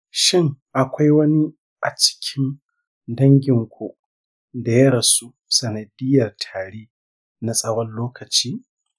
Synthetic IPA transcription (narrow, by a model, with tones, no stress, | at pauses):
ʃɪ˦ŋʔa˨kʷa˦jwɐ˦ni˦ | ʔa˨t͡ʃɪ̥˦kʲʰɪ˦n | dɐ˦ŋɡʲɪ˨ŋkʷo˨ʔ | da˨jɐ˦ɾɐ˨su˦ | sɐ˨nɐ˨dɪ˦jɐ˨rtʰaː˨ɽeː˦ | na˨sʼɐ˦wɐ˦nloː˦kʰɐ˨t͡ʃiː˦